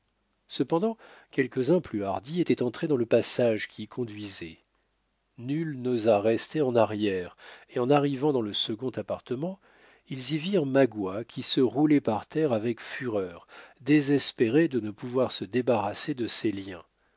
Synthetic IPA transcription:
səpɑ̃d̪ɑ̃kʲɛlkʲəzɛ̃plyaʁd̪iet̪ɛt̪ɑ̃t̪χed̪ɑ̃ləpasaʒkʲiːkʰɔ̃d̪ɥizɛ | nylnozaʁɛst̪eɑ̃naʁjɛʁeɑ̃naʁivɑ̃d̪ɑ̃ləsəɡɔ̃t̪apaʁt̪əmɑ̃ | ilziviʁmaɡwakʲisəʁulɛpaʁt̪ɛʁavɛkfyʁœːʁd̪ezɛspeʁed̪ənəpuvwaʁsəd̪ebaʁased̪əseljɛ̃

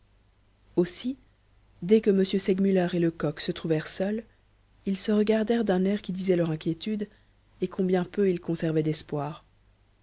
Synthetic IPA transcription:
osi | d̪ɛkəməsjøsɛɡmylɛʁeləkɔksət̪χuvɛʁsœl | ilsəʁəɡaʁd̪ɛʁd̪ɛ̃nɛʁkʲid̪izɛlœʁɛ̃kʲjet̪yd̪ | ekʰɔ̃bjɛ̃pøilkɔ̃sɛʁvɛd̪ɛspwaːʁ

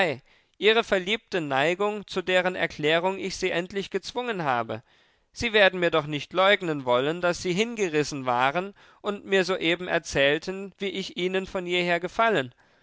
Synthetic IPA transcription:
aɪ | ʔiːʁəfɛɐliːp̚tənaɪɡʊŋt͡sudeːʁənɛ̰ɐkʰl̥ɛːʁ̞ʊŋɪçz̥iːʔɛntlɪçɡ̥ət͡sv̥ʊŋənɦaːbə̰ | z̥iːveːɐdn̩miːɐdɔχnɪçtlɔʏɡnənvɔləndasz̥iːɦɪnɡəʁɪsn̩vaːʁən | ʔʊntmiːɐzoːʔeːbm̩ʔɛ̰ɐt͡sɛːltʰənviːʔɪçʔiːnənfɔniːɐheːɐɡəfalən

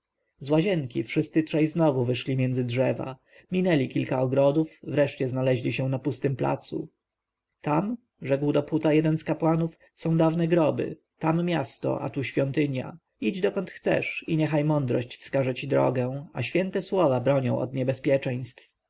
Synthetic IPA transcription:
zwaʑɛŋkʲifʂɘst̪sɘtʂɛjznɔvuvɘʂlʲimʲjɛnd̪zɘdʐɛva̰ | mʲinɛlʲikʲilkaɔɡɾɔd̪ufvɾɛʂt͡ɕɛznalɛʑlʲiɕɛw̃napust̪ɘmpla̰t̪sṵ | t̪am | ʐɛɡwd̪ɔput̪ajɛd̪ɛnskapwanuf | sɔ̃w̃d̪avnɛɡɾɔbɘ̰ | t̪amːʲjast̪ɔ̰ʔa̰t̪uɕfʲjɔnt̪ɘɲja̰ | id͡ʑd̪ɔkɔnt̪xt̪sɛ̰ʂiɲɛxajmɔnd̪ɾɔɕt͡ɕfskaʐɛt͡ɕid̪ɾɔ̰ɡɛ̃a̰ɕfʲjɛnt̪ɛswɔvabɾɔɲɔ̃w̃ʔɔ̰d̪ɲɛbɛspʲjɛt͡ʂɛj̃st̪f

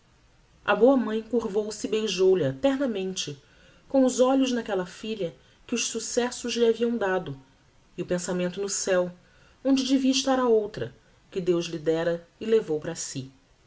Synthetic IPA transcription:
ɐ̰boɐmɐ̃j̃kuɾvowsɪːbejʒowlɪat̪ɛɦnɐmẽnt͡ʃɪ | kõʊzɔʎʊʒnɐkɛlɐfiʎɐ | kɪʊʃsusɛsʊʒlɪaviɐ̃w̃d̪ad̪ʊ | iʊpẽsamẽnt̪ʊnʊsɛw | õnd͡ʒɪd͡ʒeviɐiʃt̪aɾɐowt̪ɾɐ̰ | kɪd̪ewzlid̪ɛɾɐɪlevowpɾɐsi

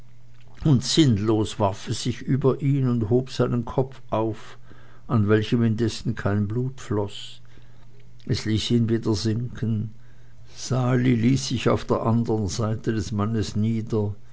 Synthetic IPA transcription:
ʔʊntz̥ɪnloːsv̥aʁfɛsz̥ɪçʔyːbɐʔiːnʊnthoːpz̥aɪnənkʰɔp͡fʔaʊf | ʔanvɛlçəmɪndɛsn̩kʰaɪnbluːtflɔs | ʔɛsliːsiːnviːdɐzɪŋkʰən | z̥aːliliːsz̥ɪça̰ʊfd̥eːɐʔandəʁənzaɪtʰədɛsmanəsniːdɐ

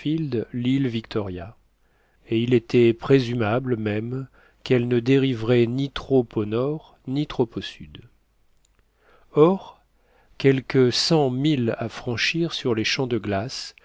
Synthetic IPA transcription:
fild̪lilvikt̪ʰɔʁja | eilet̪ɛpχezymablmɛm | kɛlnəd̪eʁivʁɛnit̪χɔponɔʁ | nit̪χɔposyd̪ | ɔʁ | kʲɛlkəsɑ̃milafχɑ̃ʃiʁsyʁleʃɑ̃d̪əɡlas

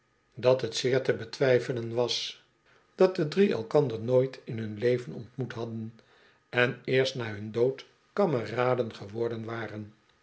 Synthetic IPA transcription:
dɑtɦətsɪːɹtəbətʋɛjfələnʋɑs | d̥ɑt̚dədriɛ̰lˠkɑndəɹnoːjtʰɪnɦɵnlejvənɔ̰ntmutɦɑdən | ɛnɪːɹstnaːɦɵndowt | kɑməraːdənχəʋɔɹdənʋaːrən

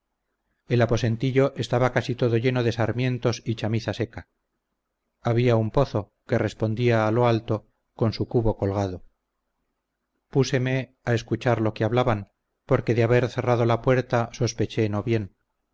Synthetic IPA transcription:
e̞lapo̞se̞nt̪iʎo̞ʔe̞st̪aβakasit̪o̞ðo̞ʝe̞noðe̞saɾmje̞nt̪o̞sit͡ʃamiθase̞ka | aβiaumpo̞θo̞ | ke̞re̞spo̞nd̪iaːlo̞alt̪o̞ | ko̞nsukuβo̞ko̞lɣað̞o | puse̞me̞ | ae̞skut͡ʃaɾlo̞keaβlaβan | po̞ɾke̞ðeaβe̞ɾθe̞rað̞o̞lapwe̞ɾt̪aso̞spe̞t͡ʃe̞no̞βje̞n

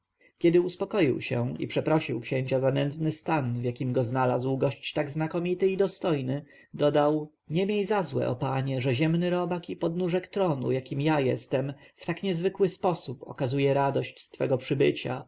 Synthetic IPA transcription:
kʲɛd̪ɘuspɔkɔjḭwɕɛ̰ḭpʂɛpɾɔɕiwkɕẽɲt͡ɕazanɛnd̪znɘst̪anvjakʲimɡɔznalazwɡɔɕt͡ɕt̪aɡznakɔmʲit̪ɘid̪ɔst̪ɔjnɘ | d̪ɔd̪aw | ɲɛmʲjejzazwɛ̰ʔɔ̰paɲɛʐɛʑɛmnɘɾɔbakipɔd̪nuʐɛkt̪ɾɔnṵjakʲimjajɛst̪ɛmft̪akɲɛzvɘkwɘspɔsupɔ̰kazujɛɾad̪ɔɕt͡ɕst̪fɛ̰ɡɔpʂɘbɘ̰t͡ɕa̰

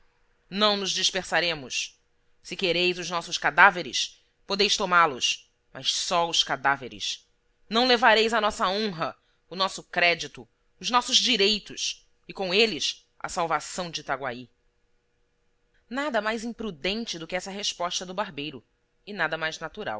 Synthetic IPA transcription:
nɐ̃w̃nʊzd͡ʒiʃpeɾsaɾẽmʊs | sɪkeɾejzʊznɔsʊskad̪aveɾɪ̰s | pod̪ejst̪omalʊs | mɐʃsɔʊskad̪aveɾɪ̰s | nɐ̃w̃levaɾejzɐnɔsɐõɦɐ | ʊnɔsʊkɾɛd͡ʒit̪ʊ | ʊznɔsʊzd͡ʒiɾejt̪ʊs | ɪkõelɪs | ʔɐ̰sawvasɐ̃w̃d͡ʒɪt̪aɡwa̰i | nad̪ɐmajzĩmpɾud̪ẽnt͡ʃɪd̪ʊkɪɛsɐɦeʃpɔʃt̪ɐd̪ʊbaɾbejɾʊ | ɪnad̪ɐmajznat̪uɾa̰w

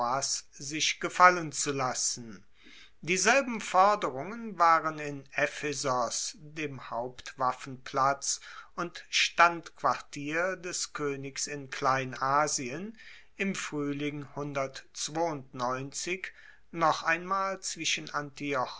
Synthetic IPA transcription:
aszɪʃɡ̥əfalənt͡sulasn̩ | diːzɛlbm̩fɔɐdəʁʊŋənvaːʁənɪnʔɛfɛzɔsdeːmhaʊptv̥afn̩pʰl̥at͡sʔʊntʃtantkv̥aɐtʰiːɐdɛskʰøːnɪksɪnkʰlaɪnaːziən | ɪmfʁ̥yːlɪŋhʊndɐtt͡sv̥oːʊntnɔʏnt͡sɪk | nɔχʔaɪnmaːlt͡sv̥ɪʃənʔantiɔ

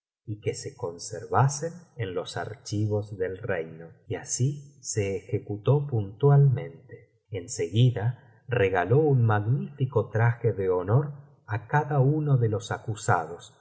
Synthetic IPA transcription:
ike̞se̞ko̞nseɾβasenenlo̞sa̰ɾt͡ʃiβ̞o̞zðelrejnoiasise̞ːxe̞kut̪o̞punt̪walmẽ̞nt̪e̥ | enseɣiða | reɣalo̞unmaɣnifikot̪ɾaxeðeonoɾ | akaðaunoðelo̞sakusa̰ð̞o̞s

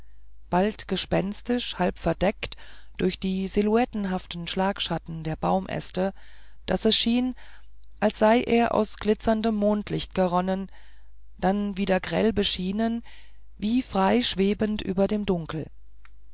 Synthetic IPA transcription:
b̥altɡ̥əʃpɛnstɪʃhalpfɛɐdɛktd̥ʊɐçd̥iːziluɛtn̩ɦaftn̩ʃlaːkʃatn̩deːɐbaʊmʔɛ̰stəd̥asɛsʃiːnʔalsz̥aɪʔeːɐʔa̰ʊsɡ̥lɪt͡sɐndəmːoːntʰlɪçt̚ɡ̥əʁɔnən | d̥anviːdeːɐɡʁɛ̰lbəʃiːnən | viːfʁ̥aɪʃv̥eːbəntʔyːbɐdeːmdʊŋkl̩

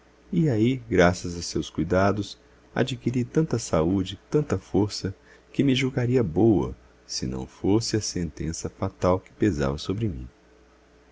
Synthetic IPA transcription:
iaiɡɾasɐzɐsewskujd̪ad̪ʊs | a̰d͡ʒikiɾit̪ɐ̃nt̪ɐsaud͡ʒɪt̪ɐ̃nt̪ɐfoɾsɐ | kɪmɪʒuɡaɾiɐbowɐ̰ | sɪ̰nɐ̰̃w̃fosɪɐsẽnt̪ḛ̃sɐfat̪awkɪ̥peza̰vɐsobɾɪmḭ̃

